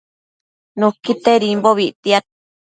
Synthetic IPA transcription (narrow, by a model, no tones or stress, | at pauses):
nũkit̪eɾimboβit̪ia